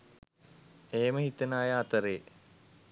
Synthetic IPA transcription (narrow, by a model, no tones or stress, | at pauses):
eːməɦit̪ənaːjəat̪əɾeː